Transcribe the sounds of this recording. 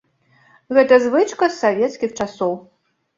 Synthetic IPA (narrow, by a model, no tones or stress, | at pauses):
ɣɛt̪ɐzvɨt͡ʂkɐsːavʲɛt̪skʲixt͡ʂasɔw